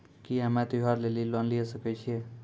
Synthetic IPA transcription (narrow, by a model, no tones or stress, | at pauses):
kiamãt̪ojɦaɾlelilɔnliesəket͡ʃʰie